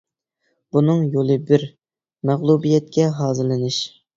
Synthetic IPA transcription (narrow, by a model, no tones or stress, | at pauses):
b̥unɨŋjolˠɨbɪɾ | mæʁlˠubijɛt̪̚kʲɛɦɑːzɨlˠɨnɨʃ